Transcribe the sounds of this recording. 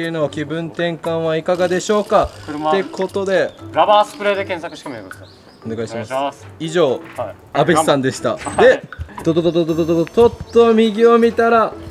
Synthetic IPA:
eɯ̟noːkʲibɯ̟̃nt̪ẽ̞ŋkãɰ̃βaikaɡad̪e̞ɕo̞ːkakɾe̞kʰo̞t̪o̞d̪e̞ɾabaːsɨ̥pɯ̟ɾeːd̪ekẽsakɯ̟ɕk̪emit̪es | one̞ɡaiɕimasiʑo̞ː | abesãnd̪e̞ɕi̥t̪a̰d̪e̞t̪ot̪ood̪od̪od̪od̪oot̪o̞t̪ːomʲiɡʲio̞mʲit̪aɾa

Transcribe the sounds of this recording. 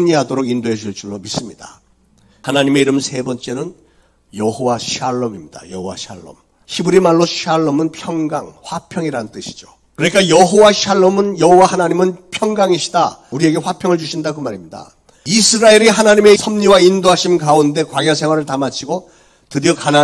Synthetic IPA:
mɲiɦadoɾoɡindoɦe̞ɕʰiɭt͡ɕ͈uɭːomis͈ɯmɲida̰ | hanaɲime̞iɾɯmsʰe̞bʌnt͡ɕ͈e̞nɯn | jʌɦowaɕʰaɭːʌmimɲida̰jʌɦowa̰ɕʰa̰ɭːʌ̰m | ɕʰibuɾimaɭːoɕʰaɭːʌmɯnpʰjʌŋɡaŋɸwapʰjʌŋiɾanɯnt͈ɯɕʰi̥d͡ʑo | kɯɾʌɲik͈ajʌɦowaɕʰaɭːʌmɯnjʌɦowahanaɲimɯnpʰjʌŋɡaŋiɕʰi̥dauɾie̞ɡe̞ɸwapʰjʌŋɯɭt͡ɕuɕʰindakɯmaɾimɲida̰ | isʰɯɾaeɾiɦanaɲime̞sʰʌmɲiwaindoɦaɕʰimkaunde̞kwaɡjʌs̬ʰe̞ŋɦwaɾɯɭtamat͡ɕʰiɡo | tɯdʌkana

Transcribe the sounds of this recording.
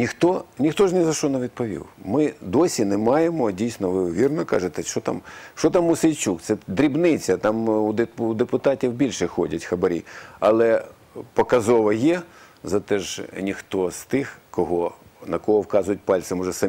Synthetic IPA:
nʲixt̪ɔnʲixt̪ɔʒnɛzɐʃɔnɐʋʲid̪̚pɔʋʲḭwmɪd̪ɔsʲinemɑjemɔdʲijsʲnɔʋɪʋʲirnɔkɑ̰ʒet̪ɛʃt͡ʃɔt̪ɑ̰mʃt͡ʃɔt̪ɑmʊsejt͡ʃʲukt̪sɛd̪ɾʲibnɪt͡sʲɐt̪ɑmud̪eud̪epʊt̪ɑtʲiwbʲilʲʃɛxɔdʲɐtʲxɐbɐɾʲḭɐlˠɛ | pɔkɐzɔʋɐjɛ | zɐt̪ɛʒnʲixt̪ɔst̪ɪxkɔɦɔnɐkɔɦɔwkɑzʊjʊt̚ʲpɑlʲtsɪmɔʒɛsɐ

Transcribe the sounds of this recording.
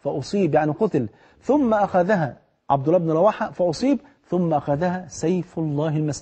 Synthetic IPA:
fæʔosˤiːbjaʕniqʊt̪l | θʊmːæʔæxæðæɦæ | ʕɑbd̪ʊlːɑːbɪnɾˤɑwaːħafæʔosˤiːb | θʊmːæʔæxæðæhæːsæjflˤːɑːhɪlmæs

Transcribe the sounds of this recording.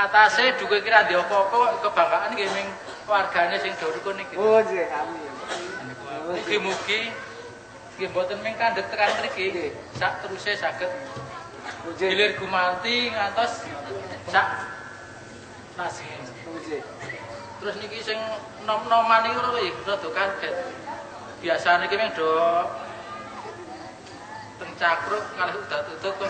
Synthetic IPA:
at̪ased̪̥ṳkɔkiɾand̪iɔpɔːpɔkəb̥a̤ŋkaʔənkemɪŋ | warɡ̥ä̤nesɪŋd̪̥o̤ɾukoniki | uɡ̥imuɡ̥i | kembɔt̪ənmɪŋkand̪ək̚t̪əkank̪əɾike | saʔt̪əɾusesaɡ̥ə̤t̪̚ | ilɪrɡ̥ṳmant̪iŋant̪ɔs | saʔ | nasiŋn | t̪əɾʊsnikisɪŋ | nɔnɔmaniŋiuɾɔɾojeusɔd̪̥o̤kad̪̥ɛt̪̚ | b̥iasanikimɪŋɖ̥ɔ̤ | t̪əŋt͡ʃakɾʊk̚ŋalɛɦud̪̥a̤t̪ut̪ʊt̪̚

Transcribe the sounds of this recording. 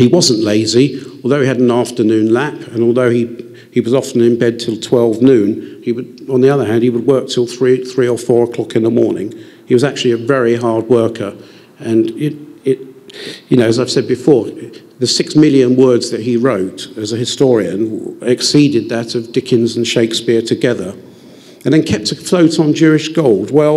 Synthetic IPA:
hiwʌzə̃n̩ʔleɪziɔlˠðoʊiɨɾⁿn̩æftə˞nʉ̃nlæpɨ̃nɔlˠðoʊi | iwʌzɑfən̩ɨ̃nbɛd̚tʰɨlˠtʰw̥ɛlˠvnʉ̃niwəɾə̃nðiʌðə˞ɦæ̃nd̚iwəd̚wɜ˞k̚tʰɪlˠθɹiθɹiə˞fɔɹəkʰl̥ɑkɨ̃nðəmɔɹnɪ̰̃ŋ | hiwʌzæk̚t͡ʃʉl̩ˠiɨvɛɹiɦɑɹd̚wɜ˞kʰə˞ | ɨ̃njɨɪ | jɨnoʊɨzaɪv̥sɛd̚bɨfɔɹ | ðɨsɪksmɪlˠjɨ̃nwɜ˞dzðɨt̚ɦiɹoʊɾɨzɨɦɨstɔɹiɨ̃nɪksiɾɨd̪̚ðɨɾʌvdɪkʰɨ̃nzn̩ʃeɪkspɪɹtʰɨɡɛðə˞ | ɨ̃nðɨ̃nkʰɛp̚tɨfloʊɾn̩d͡ʒʉɪʃɡ̥oʊlˠd̚wɛlˠ

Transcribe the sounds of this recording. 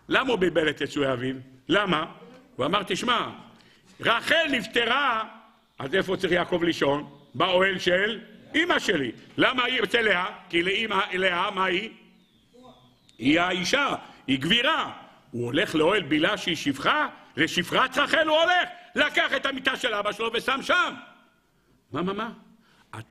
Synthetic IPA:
lamaubibelet̪jet͡sueavivlamauamaʁt̪iʃma | ʁaχe̞lnift̪eʁa | aze̞fo̞tt͡saʁiχjaːko̞vliʃo̞nbaoelʃelimaʃelilamait͡selehakileimaeleamai | iaiʃaiɡviʁa | uole̞χleo̞elbilaʃeiʃivχaleʃifʁat̪ʁaχe̞luoleχlakaχet̪hamit̪aʃelabaʃelo̞vesamʃam | mamama | a̰

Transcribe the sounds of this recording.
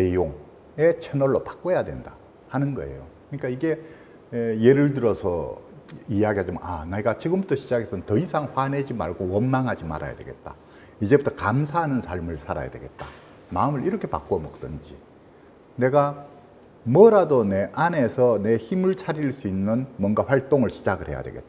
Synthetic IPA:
ne̞joŋ | e̞t͡ɕʰenʌɭːopḁk͈ojadwe̞̰nda | hanɯnɡʌe̞̰jo̰kɯɲik͈aiɡe̞ | je̞ɾɯɭtɯɾʌsʰʌ̰ | ijaɡiɦad͡ʑima̰neɡat͡ɕiɡɯmbutʰʌɕʰid͡ʑaɡe̞sʰʌɯntʌisʰaŋɸwaned͡ʑima̰ɭɡowʌnmaŋɦad͡ʑima̰ɾa̰ja̰dweɡe̞̰t̚t͈a | id͡ʑe̞butʰʌkamsʰaɦanɯnsʰaɭmɯɭsʰaɾa̰ja̰dwe̞ɡe̞t̚t͈a | maɯmɯɭiɾʌkʰe̞pak͈oʌmʌk̚t͈ɯnd͡ʑḭ | ne̞ɡa | mʌɾadone̞ʔane̞sʰʌne̞çimɯɭt͡ɕʰaɾiɭs͈uinːɯnmwʌnɡaɸwaɭt͈oŋɯɭɕʰid͡ʑaɡɯɭhe̞ja̰dwe̞̰ɡe̞̰t̚t͈a

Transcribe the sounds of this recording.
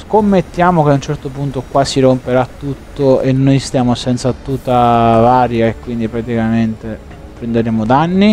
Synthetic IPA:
skomːet̪ːjaːmokeaunt͡ʃɛrt̪opunt̪okwaːsiɾompeɾat̪ːut̪ːoenːojst̪jaːmosɛnt̪sat̪ut̪ːavaːɾjaekːwind̪ipɾat̪ikament̪e | pɾend̪eɾeːmod̪anːi

